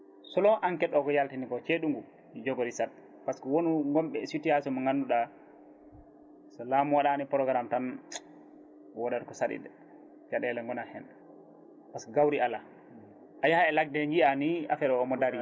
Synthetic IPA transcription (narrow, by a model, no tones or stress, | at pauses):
sɔlɔʔankɛɗːɔkɔjaltinikɔt͡ʃeɗuŋɡu | id͡ʒɔɡoɾisatː | paskɔwonuŋɡɔmɓɛsitiasɔmaŋɡanduɗa | sɔlamuwaɗanipɔɾɔɡɾamtan | wɔdɛɾkɔsaɗḭɗɛ | t͡ʃaɗɛlɛŋɡɔnahɛn | paskɔɡawɾiala | ʔajahaɛlak̚dɛŋɡiania̰fɛɗɔːmɔdaɾi